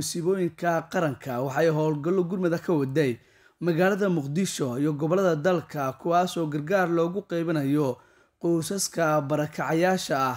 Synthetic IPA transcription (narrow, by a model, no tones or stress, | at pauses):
ʊsɪβɔːjɪŋkʰɐqɑɾɐŋkʰɐwɑħɑɛjɦɔːlɡɐlːɔɡʊrmɐðɐkʰɐwɑd̪ɛj | mɐɣaːlɐðɐmʊqd̪ɪʃɔijɔɡɔβɔlɐðɐd̪ɐlkʰɐkʰʊwaːsɔːɡɐrɡaːrlɔːɣʊqɛjβɐnɐjɔ | qʊsɐskʰɐbɐɾɐkʰɑʕɑjaːʃɐːh